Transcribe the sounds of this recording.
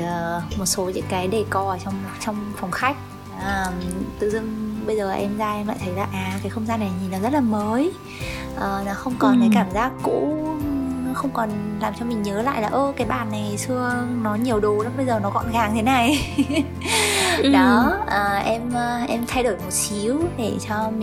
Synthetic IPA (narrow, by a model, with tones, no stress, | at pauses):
əː˨˩mo˨˩t̚so˨˦ɲɨ̰˧˥ŋkaː˨˦jɗe˧˩kɔ˨˩˨t͡ɕɔ˧wŋ͡m̚t͡ɕɔ˧wŋ͡mfɔ˨˩wŋ͡mxa˦˥jk̟̚ | ʔəː˨˩t̪ɨ̰˧˨zɨ˧ŋɓə˧jzəː˨˩˨ʔɛ˧mzaː˧ʔɛ˧mla̰˧˨t̪ʰə˨˦jlaː˨˩ʔaː˨˩kaː˨˦jxə˧wŋ͡mzaː˧nːa˨˩jɲi˨˩nlɔ˨˦zə˦˥t̚laː˨˩məː˨˦j | ʔəː˨˩nɔ˨˦xə˧wŋ͡mkɔ˨˩nt̪ʰə˨˦kaː˧˩mzaː˦˥k̚kṵ˧˥˨ | xə˧wŋ͡mkɔ˨˩nlaː˨˩mt͡ɕɔ˧mï˨˩ŋ̟ɲəː˨˦la̰ː˧˨jlaː˨˩ʔəː˧kaː˨˦jɓaː˧˩nːa˨˩jsɨ˧ənɔ˨˦ɲi˨˩əwɗo˨˩laː˨˦mɓə˧jzəː˨˩nɔ˨˦kɔ̰˧˨nɣaː˨˦ŋt̪ʰe˨˦na˨˩j | ɗɔ˨˦ʔəː˨˩ʔɛ˧mʔɛ˧mt̪ʰa˧jɗo˧˩jmo˨˩t̚si˨˦əwɗe˧˩t͡ɕɔ˧mi˨